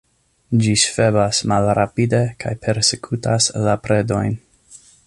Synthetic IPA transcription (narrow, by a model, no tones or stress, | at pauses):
d͡ʒiʃfebasmalɾapide̞kʰa̰jpʰe̞ɾsekʰutaslapɾe̞do̞̰jn